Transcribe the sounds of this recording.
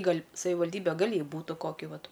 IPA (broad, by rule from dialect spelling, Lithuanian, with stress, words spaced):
ˈɡɐlʲ sɐʋʲɪʋɐlʲˈdʲiːbʲɛ ˈɡɐlʲ ˈjɛɪ ˈbuːtɐ ˈkoːkʲɪ ˈʋɐt